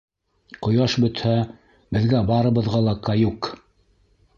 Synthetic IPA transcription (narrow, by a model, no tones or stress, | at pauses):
qŏjɑʃbɵ̆t̪hæ | bɘ̆ðɡæbɑɾɤ̆βɤ̆ðʁɑlˠɑkɑjuk